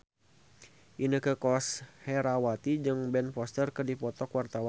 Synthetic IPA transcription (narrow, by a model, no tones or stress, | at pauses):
ʔinəkəkɔshɛɾawat̪id͡ʒɨŋbɛnpɔst̪ərkɨdipɔt̪ɔkwart̪awa